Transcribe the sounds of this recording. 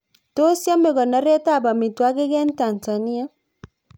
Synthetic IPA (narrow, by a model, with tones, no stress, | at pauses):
to˦sja˦me˨ɣɔ˨na˨˦ɾɛ˦ta˦˨ba˨mi˨twa˦ke˦ɣɛ˦n˦ta˨nza˨ni˦a˦